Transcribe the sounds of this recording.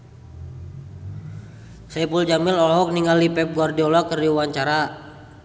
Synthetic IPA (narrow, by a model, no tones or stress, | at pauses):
sajpuld͡ʒamɪlɔlɔɦɔk̚niŋalipɛp̚ɡɔrdiɔlɔkərdiwaɲt͡ʃaɾa